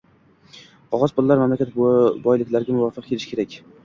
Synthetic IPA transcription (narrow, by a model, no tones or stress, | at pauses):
ɒʁɒzpʊlˠːaɾmamlakʲat̪̚bɒjlɪkʲlaɾɡʲamʊvɒfɨq̚kʰelɪʃkʲʰe̞ɾakʲ